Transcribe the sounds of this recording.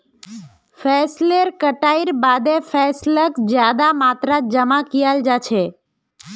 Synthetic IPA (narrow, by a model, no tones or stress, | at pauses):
fʰɛsleɾkəʈaiɾbad̪efʰɛsləkd͡ʒjad̪amat̪ɾad͡ʒəmakijald͡ʒat͡ʃʰe